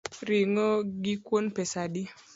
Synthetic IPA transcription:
ɾiŋoɡikwonpesadi

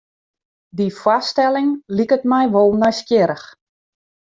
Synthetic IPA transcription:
difwastɛlɪŋlikətmɛjʋolˠnɔjskjɪɾəx

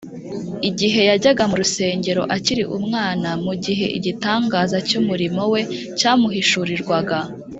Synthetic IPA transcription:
iɟiɦe̞jaɟaɡamuɾuse̞ːɲɟe̞ɾo̞̰ʔaciɾḭʔumŋaːnamuɟiɦe̞̰ʔḭɟitaːŋɡaːzacumuɾimo̞we̞ | caːmuɦiʃuɾiɾɡwaɡa

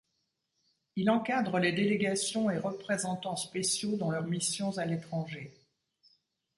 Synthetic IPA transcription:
ilɑ̃kad̪ʁəled̪eleɡasjɔ̃eʁəpχezɑ̃t̪ɑ̃spesjod̪ɑ̃lœʁmisjɔ̃zalet̪χɑ̃ʒe

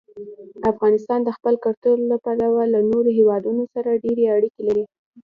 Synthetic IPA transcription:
afɣɑnɪst̪ɑnd̪əxpəlkaɾt̪ollapalawalanoɾoɦewɑd̪unosaɾaɖeɾeaɽikelaɾi

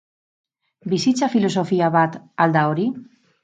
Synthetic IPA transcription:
bisit͡safilos̬ofiaβat̪ald̪aoɾi

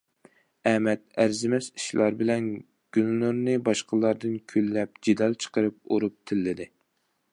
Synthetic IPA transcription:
ɛmɛt̪̚æɾzɪmɛsi̥ʃlˠɑɾbɪlɛn | ɡ̥ʲylnuɾnɨbɑʃqʰəlˠɑɾd̪ɨnkʲʰølːɛp̚d͡ʒid̪ɑlˠt͡ʃʰə̥qəɾɨp̚oɾup̚t̪ʰɪlːɪd̪ɪ

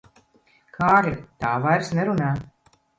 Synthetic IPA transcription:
kʰaːɾʲat̪aːvajɾsnɛɾunaː

